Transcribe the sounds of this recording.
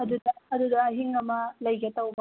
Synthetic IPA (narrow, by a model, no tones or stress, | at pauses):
ɐd̪ud̪ɐɐd̪ud̪ɐɦiŋɡɐmɐlɐjɡɐt̪ɐwbɐ